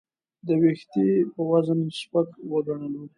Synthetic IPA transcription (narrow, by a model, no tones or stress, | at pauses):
d̪əwext̪epəwazənspakwəɡaɳəlu